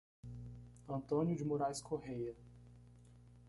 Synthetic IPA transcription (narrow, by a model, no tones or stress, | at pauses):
ɐ̃nt̪õnjʊd͡ʒɪmoɾajskʰoɦejɐ